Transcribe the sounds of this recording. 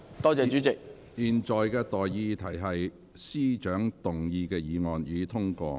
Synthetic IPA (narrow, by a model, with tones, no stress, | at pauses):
t̪ɔː˥t͡sɛː˨t͡ʃy˨˥t͡sɪ˨k̚ | jiː˨nt͡ʃɔː˨jkɛː˧t̪ɔː˨˩jːiː˧t̪ʰɐ˨˩jɦɐ˨j | siː˥t͡ʃœː˨˥ŋt̪ʊ˨ŋjiː˧kɛː˧jiː˨˧ŋɔː˨njyː˨˧t̪ʰʊ˥ŋkɔ̰ː˧